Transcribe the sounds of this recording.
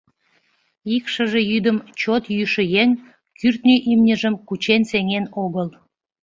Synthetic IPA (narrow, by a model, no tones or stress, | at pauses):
ikʃəʒe̽jyd̪əmt͡ɕot̪jyʃə̆jeŋ | kʰyrt̪nʲiʔimnʲəʒəmkut͡ɕenseŋenoɣəl